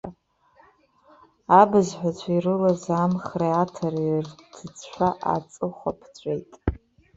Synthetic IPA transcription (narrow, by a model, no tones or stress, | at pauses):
abɨzħʷᶣat͡ɕʷʰairɨlazamχreatʰorrtʰɨt͡sʰʃᶣʷaʔa̰t͡sʼɨχʷapʰt͡ɕʷʼejtʼ